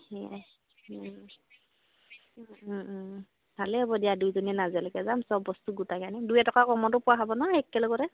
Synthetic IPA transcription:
hɛa̰ | bʱalɛɦɔbɔdijadujzɔnɛnazalɛkɛzamsɔbːɔstuɡutakanɛdujɛtɔkakɔmɔtʊpʊaɦabɔnɔɛkːɛlɔkɔɾɛ

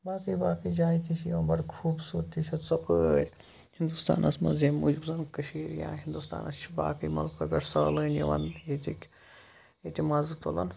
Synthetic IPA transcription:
baːkijbaːkid͡ʒaːit̪it͡ʃʰjiʋɐnbɐɽkʰuːbsuːɾt̪isʲɐt͡sɐkəɾʲ | hind̪ust̪a̰ːnɐsmɐ̰nzeːmuːd͡ʒbzɐnkɐʃiːɾjã̰ːɦind̪ust̪a̰ːnɐba̰ːkɨjmɐ̰lkʰɐbʲɐʈsɐːlɨːnjiʋɐ̰nit̪ʲikʲ | et̪ʲimaːzɨt̪olɐ̰n

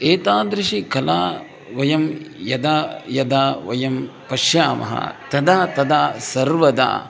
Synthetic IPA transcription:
eːt̪aːd̪ɾiʃikɐlaː | ʋɐjɐmjɐd̪aːjɐd̪aːʋɐjɐmpɐʃjaːmɐ̰ɦɐ̰t̪ɐd̪aːt̪ɐd̪aːsɐɾʋɐd̪a̰ː

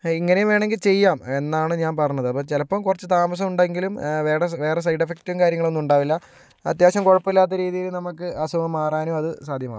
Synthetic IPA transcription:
iŋːɐnejmʋe̞ːɳeŋɡilt͡ɕe̞jːaːme̞nːaːɳɨɲaːnpɐrɐɲːɐðɨɐpːoːt͡ɕelɐpːɐmkurɐt͡ɕːɨt̪aːmɐs̬ɐmuɳɖeŋɡilumʋe̞ːɽeʋe̞ːɽes̬ɐjɖɐfektːuʋumkaːɾjɐŋːɐɭo̞nːuɳɖaːʋilːɐ | ɐ̰t̪jaːɕɐmkoɻɐpːɐilːaːt̪ːɐɾiːðijilnɐmɐkːɨʔɐsumɐmaːraːnoːɐðɨsaːd̪ʱjɐma̰ː

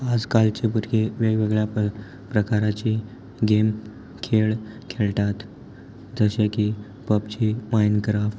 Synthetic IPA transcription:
ad͡zkalt͡ɕepuʈʰkeʋeɡʋeɡɭja | pɾəkaɾat͡ɕi | ɡem | kʰeɭ | kʰelt̪at̪ | d͡zəɕeki | pəpt͡ɕimajnkəɾaf

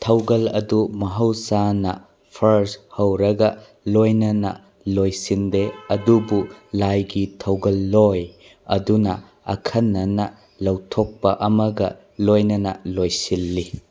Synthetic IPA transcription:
tʰɐwɡɐlɐ̰dumɐɦɐwsanɐ | pʰɐɾshɐwɾɐɡɐ | lojnɐnɐ̰ | lojsindeɐdubulajɡitʰɐwɡɐlːoj | ɐdunɐ | ɐ̰kʰɐnːɐnɐ | lɐwtʰok̚pɐʔɐmɐɡɐ | lojnɐnɐlojsilːi

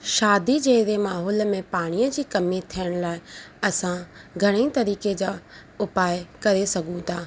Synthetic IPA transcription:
ʃaːd̪id͡ʑeːɾemaːɦɔːlmẽpaːɽ̃ijəd͡ʑiːkɐmit̪ʰijəɽ̃laːɪɐsãɡʱɐɽ̃eit̪ɐɾiːked͡ʑaːʊpaːɪjkɐɾesɐɡʱũt̪ʰaː

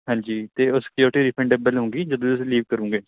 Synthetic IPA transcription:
ɦãːɲd͡ʒiːt̪eːʊsɪ̥kjoːɾʈiːd̪iːpʰɛ̃ɳɖebəlɦõːŋɡiːd͡ʒəd̪õːʊsliːʋkəɾũːŋɡeː

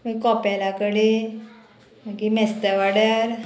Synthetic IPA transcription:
mikɔpalakəɽi | makimɛst̪əʋaɽjaɾ

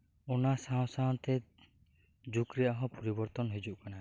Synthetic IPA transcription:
ɔnasaɔ̃saɔ̃t̪ɛ | d͡ʒukɾɛjaɦɔ̃pɔɾibɔɾt̪ɔnɦed͡ʒuʔkana

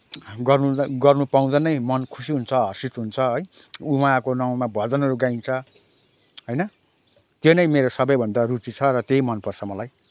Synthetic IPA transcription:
ɡʌrnuɡʌrnupaũd̪anʌjmʌnkʰu̥siɦunt͡sʰʌɦʌsit͡sɦunt͡sʰʌɦʌjuwakonaw̃mabʱʌd͡zʌnɦʌɾuɡajnt͡sʰʌ | ɦʌjnʌ | t̪jonʌjmeɾosʌbʌjbʱʌnd̪arut͡sit͡sʰʌɾʌt̪eɦimʌnpʌrt͡sʰʌmʌlaj

